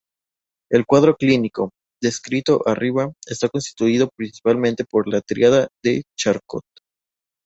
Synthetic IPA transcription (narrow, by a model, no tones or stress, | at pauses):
e̞lkwaðɾo̞kliniko̞ | d̪e̞skɾit̪o̞ʔariβae̞st̪ako̞nst̪i̥t̪uið̞o̞pɾinsi̥palmẽnt̪e̞po̞ɾlat̪ɾiaðaðet͡ʃaɾko̰t̪̚